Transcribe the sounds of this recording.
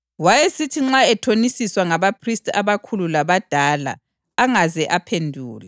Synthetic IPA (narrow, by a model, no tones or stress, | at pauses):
wajesitʰiŋ͡ǁaɛtʰonisiswaŋaβapʰristʰʼa̰βakʰululaβad̥ʱaːla̰ː | ŋazɛʔapʰendʱuːla